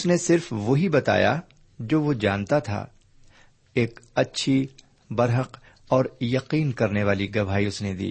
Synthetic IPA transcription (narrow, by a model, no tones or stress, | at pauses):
ʊsnesɪɾfʋoɦibɐt̪a̰ːja̰ | d͡ʒoːʋod͡ʒa̰ːnt̪at̪ʰa̰ː | eːkɐtːʃʰi | bɐɾɦəq | ɔːɾjɐqiːnkɐɾneʋaːliɡɐbʱaːiʊsned̪ḭː